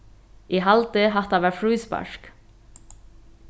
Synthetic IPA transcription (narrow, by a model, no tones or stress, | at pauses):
ʔiːhɑlt̪əhɑt̪ɑːʋæːfɹʉːspɑ̰ʃk